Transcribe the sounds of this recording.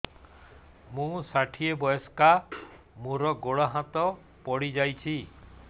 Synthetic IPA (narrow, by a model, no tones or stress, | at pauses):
mũsaʈʰiebɔjɔska | mũɾɔɡoɽɔɦat̪ɔ | pɔɽid͡ʒajt͡ʃʰi